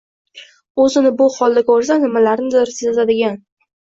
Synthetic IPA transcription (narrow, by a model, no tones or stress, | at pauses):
ɵzɪnɪbʊhɒlˠːakʲoɾs̬anɪmalaɾnɪd̪ɒɾsezad̪ɪɡʲan